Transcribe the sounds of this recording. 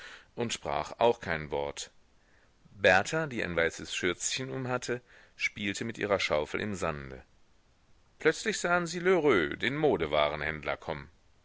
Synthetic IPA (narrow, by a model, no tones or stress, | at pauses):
ʔʊntʃpʁ̥a̰ːχaʊxkʰaɪnvɔɐt | bɛɐtʰadiːʔa̰ɪnvaɪsəsʃʏɐt͡sçənʊmhatʰə | ʃpiːltʰəmɪtʔḭːʁɐʃaʊfl̩ʔɪ̰mzandə̰ | pʰlœt͡slɪçz̥aːənziːløʁøːdeːnmoːdəva̰ːʁənhɛndlɐ̰kʰɔmən